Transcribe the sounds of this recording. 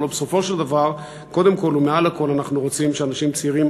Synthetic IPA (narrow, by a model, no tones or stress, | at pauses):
lobeso̞fo̞ʃeld̪avaʁ | ko̞d̪e̞mko̞lumealako̞lanaχnuʁo̞t͡simʃeanaʃimt͡siʁim